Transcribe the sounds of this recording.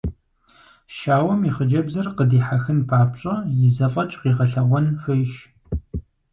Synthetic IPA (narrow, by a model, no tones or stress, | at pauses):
ʃaːwɐmiːχəd͡ʒɐbzɐrqədiːħaxɨnpʰaːpɕʼɐjɪzɐfʼɐt͡ʃʼqiːʁɐɬɐʁʷɔnxʷejʃ